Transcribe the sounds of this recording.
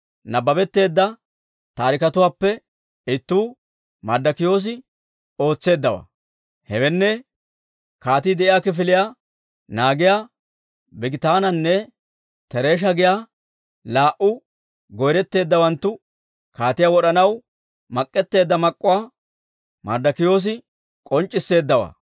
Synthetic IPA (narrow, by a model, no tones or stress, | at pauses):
nɐbɐbɛt̪ːe̞ːd̪ːɐ | t̪aːɾɪkɐt̪ʊwaːpːɛ | ɪt̪ːuː | mɐd̪ːɐkɪjo̞ːs̬ɪ | o̞ːt͡sːe̞ːd̪ːɐwɐ̰ | hɛwɛnːɛ | kaːt̪ɪːd̪ɛʔɪjaːkɪf̬ɪlɪja | naːɡɪjaː | bɪɡɪt̪aːnɐnːɛ | t̪ɛɾe̞ːʃ̬ɐɡɪjaː | laːʔʊ | ɡɔjɾɛt̪ːe̞ːd̪ːɐwɐnt̪ːʊ | kaːt̪ɪjawɔɗɐnɐw | mɐkʼːɛt̪ːe̞ːd̪ːɐmɐkʼːʊwaː | mɐ̰d̪ɐkɪjo̞ːs̬ɪ | kʼɔnt͡ʃʼːɪsːe̞ːd̪ːɐwa̰ː